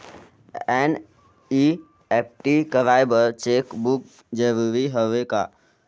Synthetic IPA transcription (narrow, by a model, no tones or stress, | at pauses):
ɛn | i | ep̚ʈikəʋajbəɾt͡ʃekbuk̚ | d͡ʒeʋʋiɦəʋeka̰